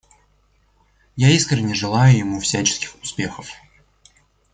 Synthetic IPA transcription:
jaiskɾʲɪnʲːɪʐɨlˠajʊjɪmufsʲæt͡ɕɪ̥skʲɪ̥xʊ̥spʲe̞xəf

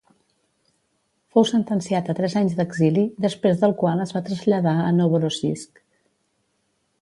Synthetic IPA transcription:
fowsənt̪ənsiat̪ət̪ɾɛzaɲzd̪əɡziliðəspɾezðəlˠkwalˠəzβat̪ɾəzʎəðaənoβəɾosisk

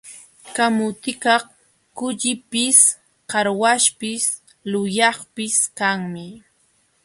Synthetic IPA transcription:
kamʊt̪ɪkɑχ | kʊʎɪpɪs | kɑɾwaʃpɪs | lʊjɑχpɪskaŋmɪ

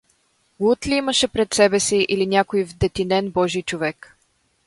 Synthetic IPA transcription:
ɡut̪liiməʃɛpɾɛt̪sɛbɛsiʔilinʲakoivd̪ɛt̪inɛnbɔʒijt͡ʃovɛk

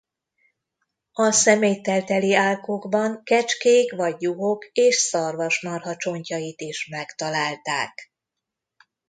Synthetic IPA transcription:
ɒsɛmejt̪ɛlt̪ɛliaːlkoːɡbɒŋkɛt͡ʃkeːkʋɒɟːuɦokeːʃsɒrvɒʃnɒrɦɒt͡ʃo̞ɲcɒjit̪iʃmɛkt̪ɒlaːlt̪aːk

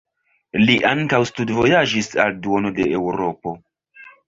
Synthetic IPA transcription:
liʔaŋkawstudvo̞jad͡ʒisa̰lduo̞no̞de̞ewɾo̞po̞

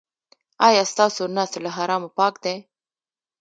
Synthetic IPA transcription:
ɑjɑst̪ɑsonasolaɦaɾɑmopɑkd̪e

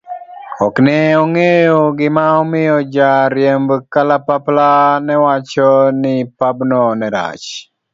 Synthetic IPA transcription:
ɔknɛɔŋejoɡɪmaɔmɪjɔd͡ʒaɾjɛmbkalapaplanɛwat͡ʃɔnɪpabnɔnɛɾa̰t͡ʃ

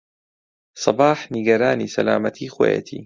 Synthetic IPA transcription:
sˤɑbaːħniɡɐɾaːniːsɐlaːmɐt̪ʰiːxwo̰ːjḛt̪ʰḭː

